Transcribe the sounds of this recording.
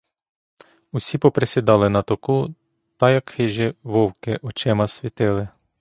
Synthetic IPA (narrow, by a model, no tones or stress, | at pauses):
usʲipɔpɾesʲɪd̪ɑlˠɪnɐt̪ɔku | t̪ɐjɐkxɪʒɛʋɔwkɪʔɔt͡ʃɛmɐsʲʋʲit̪ɪlˠɪ